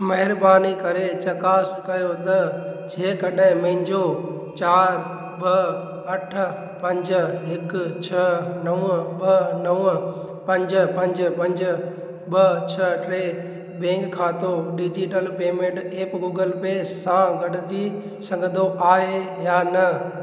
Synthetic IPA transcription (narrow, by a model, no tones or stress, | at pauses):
mɐɦɪɾbaːnikɐɾet͡ɕɐkaːskɐjot̪ɐd͡ʑeːkɐɗɦɪ̃mɐ̃ɦɪ̃nd͡ʑo | t͡ɕaːɾ | ɓɐ | ɐʈ̆ʰ | pɐ̃ɲd͡ʑɦɪkt͡ɕʰɐnɐʋɓɐnɐʋ | pɐ̃ɲd͡ʑ̆pɐ̃ɲd͡ʑpɐ̃ɲd͡ʑʊ̆ | ɓɐt͡ɕʰɐʈɾeː | bẽːŋkʰːaːt̪oɖid͡ʑiʈəlpeːmẽɳʈeːpɡuːɡəlpeːsãɡɐɗɪt̪i | sɐ̃ŋɡəd̪oaːe | jaːnɐ